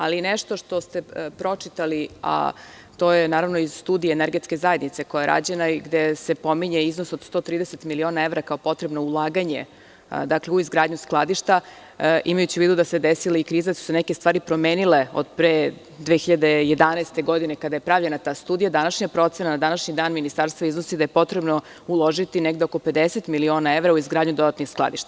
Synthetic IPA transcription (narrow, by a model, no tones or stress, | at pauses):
alineʃt̪o̞ʃt̪o̞st̪e̞pɾo̞t͡ʂit̪alia̰ | t̪o̞ːje̞naːɾaʋno̞izst̪uːd̪ijeːneɾɡe̞t̪ke̞zajed̪nit̪se̞ko̞jaɾʔa̰d͡ʑenaɡd̪ese̞po̞miɲeiznosod̪st̪o̞t̪ɾiːd̪eset̪milio̞nae̞vɾakao̞po̞t̪ɾe̞bno̞ulˠaːɡaɲe̞̰ | d̪akleuizɡɾaːd̪ɲusklˠad̪iʃt̪a | ʔimajut͡ɕiʋiːd̪ud̪ase̞d̪esilaikɾiːzed̪asu̥senekest̪ʋaːɾipɾo̞meːnile̞o̰d̪pɾe | d̪ʋeːxiʎad̪e̞jed̪anast̪e̞ɡo̞d̪ine̞kad̪aje̞pɾaʋʎe̞nat̪aːst̪uːd̪ijad̪anaʃɲapɾo̞t̪senanad̪anaʃɲid̪aːnminist̪aɾst̪vaiznosid̪aje̞po̞t̪ɾebno̞ | ulˠo̞ʒit̪ineɡd̪eoko̞pe̞d̪eset̪milio̞ːnaeʋɾauizɡɾaːd̪ɲud̪o̞d̪at̪nixsklˠa̰d̪iʃt̪a